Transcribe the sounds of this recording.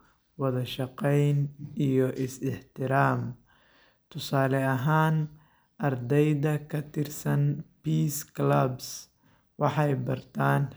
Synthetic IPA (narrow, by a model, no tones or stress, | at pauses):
wɑðɐʃɑqɛjnijɔʔɪsɪħt̪ʰɪɾaːm | t̪ʰʊsaːlɛɐɦaːn | ʔɐrd̪ɛjðɐkʰɐt̪ʰɪrsɐnbiːsklɐbs | wɑħɑjbɐrt̪ʰaːn